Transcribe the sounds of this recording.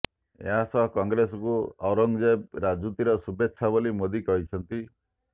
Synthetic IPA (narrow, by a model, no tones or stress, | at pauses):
ḛɦasɔɦɔkɔŋɡɾesɔkuɔwɾɔŋd͡ʒab̚ɾad͡ʒut̪iɾɔsubʱet̪ːʃʰabɔlimod̪ikɔɦit͡ʃʰɔnt̪i